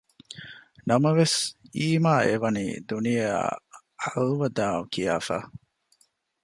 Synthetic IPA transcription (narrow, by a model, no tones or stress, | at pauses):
nɐmɐʋesiːmaːʔeʋɐnḭːd̪unija | halʋɐd̪aːukija̰ːfa̰ː